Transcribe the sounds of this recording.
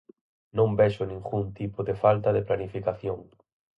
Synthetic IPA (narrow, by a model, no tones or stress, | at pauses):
nõmbɛʃʊnĩŋɡunt̪ipʊðefalt̪ɐðeplanifikaθjoŋ